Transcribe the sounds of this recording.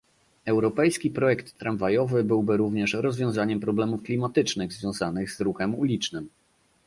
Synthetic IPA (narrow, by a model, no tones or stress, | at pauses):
ɛwɾɔpɛjskʲipɾɔjɛkt̪ːɾanvajɔvɘbɘwbɘɾuvɲɛʂɾɔzvʲjɔ̃w̃zaɲɛmpɾɔblɛmufklʲimat̪ɘt͡ʂnɘɣzvʲjɔ̃w̃zanɘɣzɾuxɛmulʲit͡ʂnɘm